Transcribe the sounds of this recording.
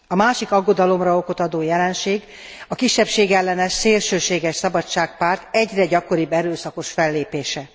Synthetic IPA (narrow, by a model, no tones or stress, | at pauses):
ɒmaːʃikɒɡːo̞d̪ɒlo̞mrɒoko̞t̪ɒd̪oːjɛlɛnʃeːɡ | ɒkiʃːɛpʃeːɡɛlːɛnɛʃseːrʃøːʃeːɡɛʃsɒbɒt͡ʃːaːk̚paːrt̪ɛɟrɛɟɒkoɾibːɛɾøːsɒko̞ʃfɛlːeːpeːʃɛ